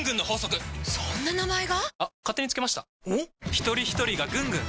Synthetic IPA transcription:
ŋɡɯ̟̃nːo̞ho̞ːso̞kɯ̟sõnːanamaeɡaakat̪ːe̞ɲ̟it͡sɨ̥kemaɕi̥t̪a | çi̥t̪o̞ɾʲiçi̥t̪o̞ɾʲiɡaɡɯ̟̃ŋɡɯ̟̃ŋ

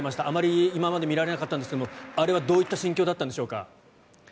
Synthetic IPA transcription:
emaɕi̥t̪aʔamaɾʲiːimamad̪e̞mʲiɾaɾe̞nakat̪ːand̪skeomoaɾe̞βad̪o̞ːit̪ːaɕĩŋkʲo̞ːd̪at̪ːãnd̪e̞ɕo̞ːka̰

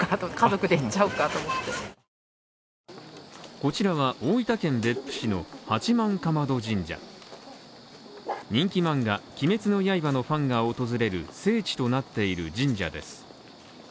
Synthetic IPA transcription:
at̪okazo̞kɯ̟d̪eit͡ɕaɯ̟kat̪omot̪ːe̞ | ko̞t͡ɕiɾaβaʔoːit̪akẽ̞mbe̞pːɯ̟̥ɕino̞hat͡ɕimãŋkamad̪o̞d͡ʑĩɲd͡ʑa̰ | ɲ̟ĩŋkʲimãŋɡakʲime̞t͡sɨno̞jaibano̞ɸãŋɡaot̪o̞zɨɾe̞ɾɯ̟̰se̞ːt͡ɕi̥t̪o̞nat̪ːe̞iɾɯ̟d͡ʑĩɲ̟d͡ʑa̰d̪e̞̰sɨ̥

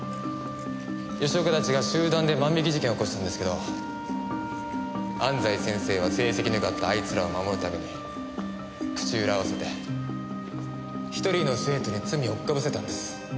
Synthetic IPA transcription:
joɕoːkat̪at͡ɕiɡaɕɨːd̪ãnd̪e̞mãmbʲikʲiʑikẽo̞koɕi̥t̪ãnd̪esɨ̥keo̞ | ãnd͡zaisẽ̞ɰ̃se̞ːβ̞ase̞ːse̞kʲinɯkɯat̪ːaːit͡sɨɾaomamo̞ɾɯ̟t̪ame̞ɲ̟i | kɯ̥t͡ɕɨːɾaβase̞t̪e̞ | çi̥t̪o̞ɾʲino̞sɨe̞ːt̪oɲ̟it͡sɨmʲio̞kkːabɯ̟se̞t̪ãnd̪esɨ̥

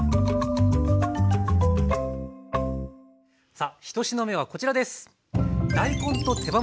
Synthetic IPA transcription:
saçi̥t̪o̞ɕino̞me̞β̞ako̞t͡ɕiɾad̪e̞sɨ̥ | d̪aikõ̞nt̪o̞t̪e̞ba

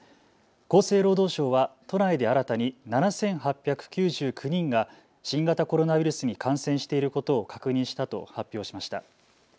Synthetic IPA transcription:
ko̞ːse̞ːɾo̞ːd̪o̞ːɕo̞ːβat̪o̞naid̪e̞aɾat̪aɲ̟inanasẽ̞ɰ̃ɦapʲːjakɯ̟̥kʲɨːʑɨːkʰɯ̟ɲ̟ĩŋɡa | ɕĩŋɡat̪ako̞ɾo̞naβiɾɯsɨɲ̟ikʰãɰ̃sẽ̞ɰ̃ɕi̥t̪e̞iɾɯ̟ko̞t̪o̞ːkakɯ̟ɲ̟ĩɰ̃ɕi̥t̪at̪o̞hapʲjo̞ːɕi̥maɕi̥t̪a̰

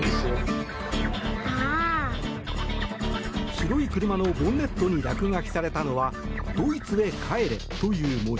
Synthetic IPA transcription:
çiɾo̞ikɯ̟ɾɯ̟mano̞bõ̞nːe̞t̪ːo̞ɲ̟iɾakɯ̟ŋakʲi̥saɾe̞t̪ano̞βa | d̪̥o̞ːit͡sɨe̞kʰae̞ɾe̞̰t̪o̞jɯ̟ːmo

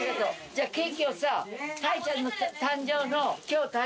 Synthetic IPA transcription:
ked̪o | d͡ʑaːkekiosat̪ʰait͡ɕanːot̪ʰãɲd͡ʑoːnokʲjoːt̪a

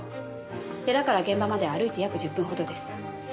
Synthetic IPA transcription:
t̪e̞d̪akaɾaɡẽ̞mbamad̪e̞aɾɯ̟it̪e̞jakɯ̟ʑɨpːɯ̟̃ɰɦo̞d̪o̞d̪e̞sɨ̥

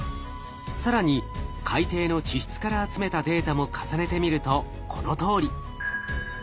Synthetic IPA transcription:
saɾaɲ̟ikʰait̪e̞ːno̞t͡ɕiɕi̥t͡sɨ̥kaɾaːt͡sɨme̞t̪ad̪e̞ːt̪amo̞kʰḁsane̞t̪e̞mʲiɾɯ̟t̪o̞ | kʰo̞no̞t̪o̞ːɾʲi

